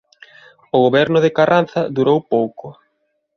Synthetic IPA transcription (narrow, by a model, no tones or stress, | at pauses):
ʊɣ̞oβɛɾnʊðɪkaran̟θɐðuɾowpowkʊ